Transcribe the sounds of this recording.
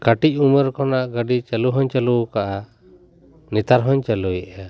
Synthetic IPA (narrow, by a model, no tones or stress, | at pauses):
kaʈic̚ˀuməɾkɔnaʔɡəɖit͡ʃəluɦɔɲt͡ʃəlukaʔa | nit̪aɾɦɔɲt͡ʃəlujʔɛja